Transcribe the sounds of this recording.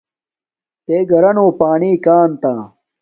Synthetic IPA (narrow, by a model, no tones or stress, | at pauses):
t̪eːɡɐɾɐnoːpaːɳiːkaːnt̪aː